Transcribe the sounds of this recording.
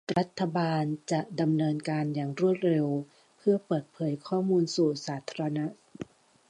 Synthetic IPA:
ɾa˦˥t̪ʰːa˧baː˧nt͡ɕa˨˩ʔda˧mnɤː˧nkaː˧njaː˨˩ŋɾu˥˩ət̪̚ɾe˧w | pʰɯ˥˩ɐpɤː˨˩t̪̚pʰɤː˩˦jkʰɔː˥˩muː˧nsuː˨˩saː˩˦t̪ʰa˧ɾa˧na˦˥ʔ

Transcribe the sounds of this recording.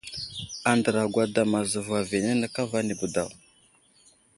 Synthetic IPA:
a˨ndə˨ɾa˨ɡʷa˨da˨ma˨zə˨va˨ve˨ne˦nə˨ka˦va˦ni˨bu˨da˨w

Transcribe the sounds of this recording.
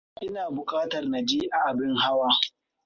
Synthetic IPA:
ʔʔɪ˦naː˨bʊ˨kʼaː˦tɐ˨rna˨d͡ʒiː˦ʔa˨ʔa˨bɪ˦ŋha˦waː˦

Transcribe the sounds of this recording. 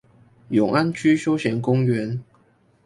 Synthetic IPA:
jʊ˨˩ŋʔa˦nt͡ɕʰy˥ɕjo˥ʊɕjɛ˧˥nkʊ˥ŋɥɛ˨˧˥n

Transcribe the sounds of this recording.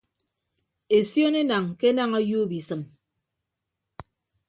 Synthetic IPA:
e˨sjo˦ne˦na˨ŋke˦na˦ŋa˦ju˦bi˨sɨ˨m

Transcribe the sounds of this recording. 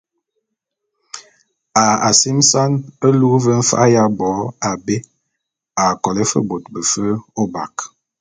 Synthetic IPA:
a˨a˨si˦msa˦nə˦lu˦və˦n̩˦fa̰˦ʔa˦ja˦bɔ˨˦a˨be˦ | a˨kɔ˨lə˦fə̰˦bo˨t̚bə˨fə˦o˦ba˨k

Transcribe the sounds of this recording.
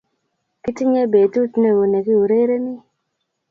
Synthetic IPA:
kɪ˦tɪ˦ɲe˦be˨du˦tne˦˨wo˨ne˨ɡi˦u˨ɾe˦ɾe˦nɪ˦

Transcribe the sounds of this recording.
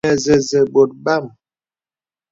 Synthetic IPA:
ɛ˨zɛ˨zɛ˨bo˨t̚ba˦˨m

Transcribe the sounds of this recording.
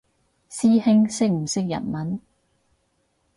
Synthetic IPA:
siː˥hɪ˥ŋsɪ˥k̚m̩˨˩sɪ˥k̚jɐ̰˨˩t̚mɐ˨˥n

